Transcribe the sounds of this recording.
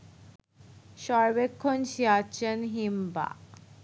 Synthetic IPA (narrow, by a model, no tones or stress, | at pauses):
ʃɔɾbekʰːonʃiat͡ɕʰenɦimba̰